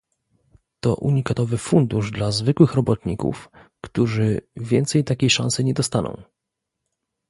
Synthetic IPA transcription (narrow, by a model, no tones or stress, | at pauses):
t̪ɔ̰ʔṵɲikat̪ɔvɘfund̪uʐd̪lazvɘkwɘxɾɔbɔt̪ɲikṵfkt̪uʐɘvʲjɛnt̪sɛjt̪akʲejʂã̰nsɘɲɛd̪ɔst̪anɔ̰̃w̃